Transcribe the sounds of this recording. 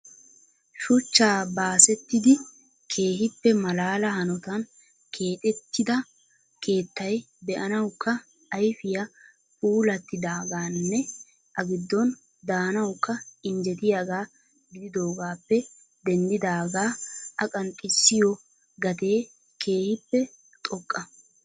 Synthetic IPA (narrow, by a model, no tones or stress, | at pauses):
ʃʊt͡ʃːaːbaːsɛt̪ːɪd̪ɪ | kʰe̞ːɦɪpːɛmɐlaːlɐhɐnɔt̪ɐn | kʰe̞ːt̪ʼɛt̪ːɪd̪ɐ | kʰe̞ːt̪ːɐj | bɛʔɐnɐwkːɐː | jfɪjɐ | puːlɐt̪ːɪd̪aːɡaːnːɛ | ʔɐɡɪd̪ːɔn | d̪aːnɐwkːɐɪɲd͡ʒɛt̪ɪjaːɡaː | ɡɪd̪ɪd̪o̞ːɡaːpːɛ | d̪ɛnd̪ɪd̪aːɡaːɐkʼɐnt̪ʼːɪsːɪjɔ | ɡɐt̪e̞ː | kʰe̞ːhɪpːɛ | t̪ʼɔkʼːɐ